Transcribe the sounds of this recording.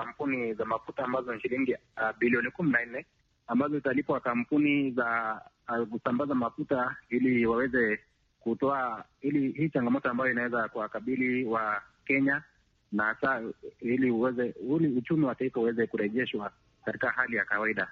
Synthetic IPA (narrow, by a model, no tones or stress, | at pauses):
kam̩punizamafutaːmbazɔʃiliŋɡiɓiliɔnikuminan̩nɛ | ambazɔzitalipwakam̩puniza | kusambazamafutailiwawɛzɛ | kutɔailihiːt͡ʃaŋɡamɔtɔambajɔinawɛzakuwakaɓiliwa | kɛɲa | naasailiuɛzɛuliut͡ʃumiwataifahuwɛzɛkuɾɛʄɛʃwa | kati̥kahalijakawaiɗa